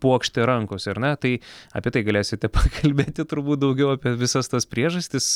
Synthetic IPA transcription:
puɔkʃʲt̪ʲeɾɐŋkoːsʲɐɾnʲɛt̪ɐɪɐːpʲiɛt̪ɐɪɡɐlʲæːsʲɪt̪ʲɛpɐkʰɐlʲbʲeːt̪ʲɪt̪ʊɾbuːt̪̚d̪ɐʊɡʲɛʊɑːpʲiɛʋʲɪsɐst̪ɐspʲɾʲiɛʒɐsʲt̪ʲɪs

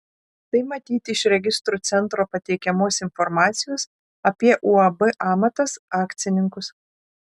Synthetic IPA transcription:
t̪ɐɪmɐt̪ʲiːt̪ʲɪɪʃɾʲɛɡʲɪst̪ɾuːt̪sʲɛnˑt̪ɾoːpɐt̪ʲɛɪkʲɛmoːsɪnfɔɾmɑːt̪sʲɪjoːs | ɐpʲiɛʔuɐbɨʔɑːmɐt̪ɐsɑːkt̪sʲɪnʲɪŋkʊs

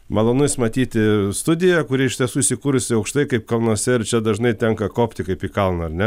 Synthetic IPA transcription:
mɐlˠoːnʊsmɐt̪ʲiːt̪ʲɪst̪ʊd̪ʲɪjɛkʊɾʲɪɪʃtʲiɛsuːɪsʲɪkuːɾʊsʲɪɐʊkʃt̪ɐɪkɐɪpkɐlˠnuɔsʲɛɪrt͡ʃʲɛd̪ɐʒnɐɪt̪ʲɛŋkɐkoːpʲt̪ʲɪkɐɪpiːkɐlˠnɐɐrnʲɛ

